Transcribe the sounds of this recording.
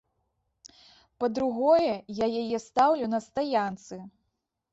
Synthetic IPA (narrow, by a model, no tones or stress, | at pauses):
pɐd̪ɾuɣɔjɛjajajɛst̪awlʲunɐst̪ajant̪sɨ